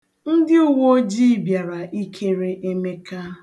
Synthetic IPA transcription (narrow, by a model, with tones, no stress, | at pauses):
n̩˦dɪ˦u˦wo˦d͡ʒi˦˨bja˨ɾa˨i˦kʰe˦ɾe˦ʔe˦me˦ka˦